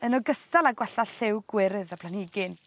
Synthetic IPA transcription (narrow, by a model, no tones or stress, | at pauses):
ənɔɡəstalˠaɡwɛɬaɬɪwɡ̥wɪɾɨðapʰlˠanɪɡɪn